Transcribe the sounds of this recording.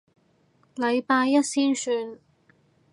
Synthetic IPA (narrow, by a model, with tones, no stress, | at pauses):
lɐ˨˧jpaː˧jːɐ˥t̚siː˥nsyː˧n